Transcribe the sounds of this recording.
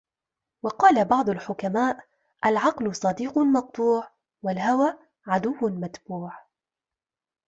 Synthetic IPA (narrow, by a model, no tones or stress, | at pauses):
wɑqɑːlabɑʕd̪ˤʊlħʊkamaːʔ | ʔalʕɑqlʊsˤɑd̪iːqmɑq̚t̪ˤuːʕ | walɦawaː | ʕad̪ʊwːmat̪buːʕ